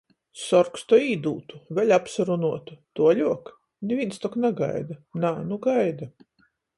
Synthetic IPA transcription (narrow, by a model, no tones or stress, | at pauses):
sɔɾkst̪ɔiːd̪uːt̪uvʲɛlʲapsaɾunuɔt̪ut̪uɔlʲuɔk | nʲvinst̪ɔknaɡa̰jd̪anaːnuɡajd̪a